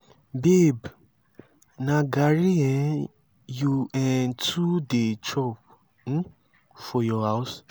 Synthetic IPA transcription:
beb | nãɡaɾiɛ̃ | juɛ̃ntʰudet͡ʃɔp̩̚ | fɔjɔɦaʊs

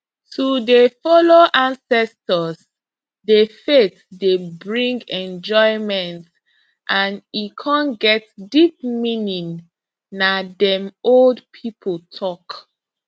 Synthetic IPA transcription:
tʰudefɔloʔãnsɛstəs | defetdebɹĩŋɡɛ̃nd͡ʒɔɪmɛ̃nt | ʔãnikʰãnɡɛt̚dip̚minĩŋ | nadɛ̃moldpʰipʰəltʰɔk

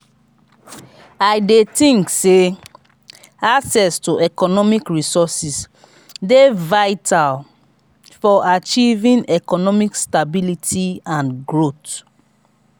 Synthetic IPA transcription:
aɪdetĩŋkse | aksɛstuʔɛkɔnɔmikɹisɔsis | devaɪtʰal | fɔʔat͡ʃivĩnɛkɔnɔmikstabilitʰiãnɡɹot

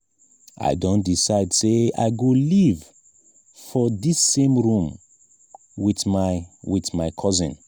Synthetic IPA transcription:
ʔa̰ɪdõndisaɪdsea̰ɪɡoliv | fɔdisːẽmɹũm | wiθmawiθmaɪkʰɔzĩn

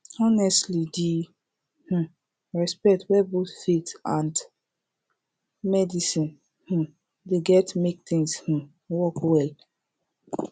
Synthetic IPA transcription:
ɔnɛstlidi | h̩ | ɹɛspɛk̚twɛbotfitãnd | mɛdisĩn | hũ | deɡɛtmek̚t̪ĩŋsh̩ | wɔkwɛl

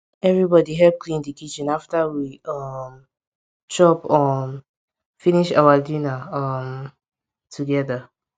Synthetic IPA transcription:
ɛvɹibɔdiɦɛlp̚klĩndəkit͡ʃĩnaftəwiʔʌm | t͡ʃɔpɔm | fĩniʃa̰wadinaʌm | tʰuɡɛða

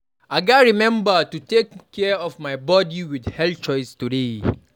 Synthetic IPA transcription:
aɡaɹimɛ̃mbətutekʰːɛɔvmaɪbɔdiwidhɛlt͡ʃɔɪstude

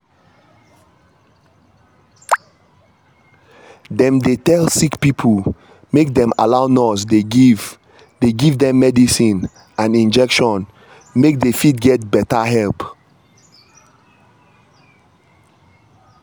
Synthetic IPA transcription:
dɛ̃mdetɛlsikpipʰul | mek̚dɛ̃ma̰laʊnɔsdeɡiv | deɡivdɛ̃mːɛdisĩn | ãnĩnd͡ʒɛkʃɔ̃n | mek̚defidɡɛt̚bɛtaɦɛlp

